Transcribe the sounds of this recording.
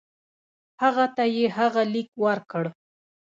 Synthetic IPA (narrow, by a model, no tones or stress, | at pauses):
haɣat̪ajeɦaɣalikwaɾkəɽ